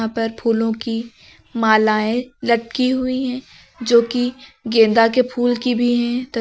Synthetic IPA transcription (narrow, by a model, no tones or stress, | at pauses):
ãpɐɾpʰuːlõki | maːlaːẽlɐʈ̚kiɦʊiɦɛ̃ː | d͡ʒoːkiɡẽːnd̪akepʰuːlkibʱiɦɛ̃t̪ɐ